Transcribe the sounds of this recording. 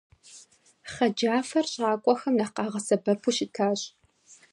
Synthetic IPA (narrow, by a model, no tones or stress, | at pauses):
χɐd͡ʒaːfɐrɕʼɑːkʷʼɔxɐmnɐqɑːʁɐsɐbɐpʰuʃɪtʰaːɕʼ